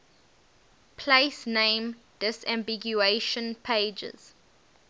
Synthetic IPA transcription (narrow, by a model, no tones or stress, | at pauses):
pʰlesnẽm | d̥ɪsæ̃mbiɡjueʃə̃npʰeɪd͡ʒɪ̰z̥